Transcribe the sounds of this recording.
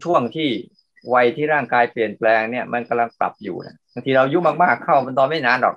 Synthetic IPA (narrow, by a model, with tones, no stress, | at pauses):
t͡ɕʰu˥˩əŋt̪ʰiː˥˩ | wa˧jt̪ʰiː˥˩ɾaː˥˩ŋkaː˧jpli˨˩ənplɛː˧ŋni˥˩əmʔa˧nka˧mla˧ŋpla̰˨˩p̚jṵː˨˩na̰˦˧˩baː˧ŋt̪ʰiː˧ɾa˧wju˦˥maː˧˩k̚maː˥˩kʰːa˥˩wma˧nd̪ɔː˧nma˥˩jnaː˨˦˥ndɔ̰ː˨˩k̚